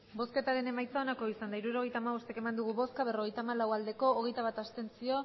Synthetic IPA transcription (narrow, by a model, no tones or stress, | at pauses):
bo̞ske̞t̪aɾe̞ne̞majt͡sao̞nako̞isand̪aiɾuɾo̞ɣ̞e̞jt̪aːmaβo̞st̪e̞ke̞mand̪uɣ̞uβo̞skaβ̞e̞ro̞ɣe̞jt̪aːmalawald̪e̞ko̞ːɣe̞jt̪aβ̞at̪ast̪e̞nsio̞